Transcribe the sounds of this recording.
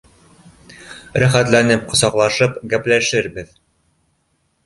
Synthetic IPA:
ɾæχæt̪lænɘp̚qŏsɑqlˠɑʃɤpɡæplæʃɘɾbɘð

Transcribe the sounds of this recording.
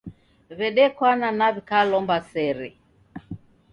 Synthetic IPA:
βɛɗɛkwananaβikalɔmbasɛɾɛ

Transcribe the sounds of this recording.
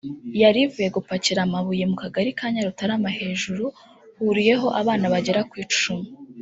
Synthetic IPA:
jaɾivuje̞ɡupaciɾamaβuje̞mukaɡaɾikaːɲaɾutaɾamahe̞ːʒuɾu | huɾije̞ɦo̞ʔaβaːnaβaɟeɾakwiːt͡ʃt͡ʃumi

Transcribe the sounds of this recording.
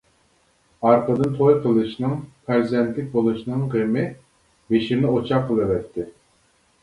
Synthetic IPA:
ɑɾqəd̪ɨnt̪ʰojqʰəlˠɨʃnɨŋpʰæɾzɛnt̪ʰlɪk̚ʲbolˠɨʃnɨŋʁemɪ | beʃimnɪot͡ʃʰɑqəlˠɨvɛt̪ʰːɪ

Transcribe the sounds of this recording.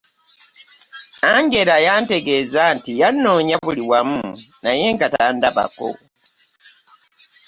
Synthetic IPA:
aŋɡe̞ɾajante̞ɡe̞ːzantijanːoːɲaβuliwamunaje̞ŋɡatandaβa̰ko̰

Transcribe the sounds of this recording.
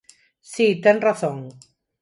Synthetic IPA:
sit̪eŋraθõŋ

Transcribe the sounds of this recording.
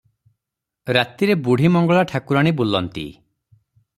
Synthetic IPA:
ɾat̪iɾebuɽ̤ʱimɔŋɡɔɭaʈʰakuɾaɽ̃ibulɔnt̪ḭ

